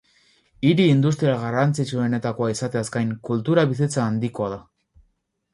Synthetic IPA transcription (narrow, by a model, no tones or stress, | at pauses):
iɾiːnd̪ust̪ɾiaɣarant͡sit͡ʃue̞ne̞t̪ako̞aisat̪e̞askajŋkult̪uɾaβiset͡saːnd̪iko̞aða